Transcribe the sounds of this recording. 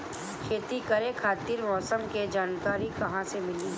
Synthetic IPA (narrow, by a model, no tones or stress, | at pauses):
kʰeːt̪ikɐɾẽkʰaːt̪iːɾmɔːsəmked͡ʒaːnkaːɾikɐɦãsemɪli